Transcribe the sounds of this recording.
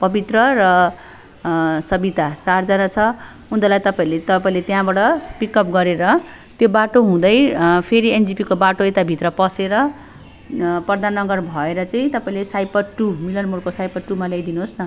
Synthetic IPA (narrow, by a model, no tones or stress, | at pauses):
pʌbit̪rʌɾʌ | sʌbit̪at͡sard͡zʌnat͡sʰʌ | ũnd̪ʌlajt̪ʌpaĩlet̪ʌpaĩlet̪jãbaɽʌpikʌp̚ɡʌɾeɾʌ | t̪jobaʈoɦũd̪ʌjpʰeɾiend͡zipikobaʈoet̪abʱit̪rʌpʌseɾʌ | prʌrd̪ʱanːʌɡʌrbʱʌeɾʌt͡saĩt̪ʌpaĩlesajpʌʈumilʌnmuɽkosajpʌʈːumaljajd̪inuɦosnʌ